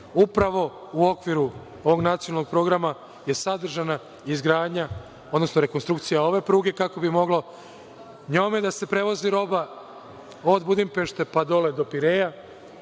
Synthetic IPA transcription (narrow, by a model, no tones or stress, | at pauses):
upɾaʋo̞ | uo̞kʋiɾu | oʋo̞ɡnat̪sionalnoɡ̚pɾo̞ɡɾama | je̞sad̪r̩ʒana | izɡɾaːd̪ɲa | od̪no̞snoɾe̞konst̪ɾukt̪sijao̞ʋe̞pɾuːɡe̞kako̞bimo̞ɡlo̞ | ɲo̞ːmed̪ase̞pɾe̞ʋo̞ziɾo̞ba | o̞d̪bud̪impe̞ʃt̪e̞pad̪o̞le̞d̪o̞piɾe̞ja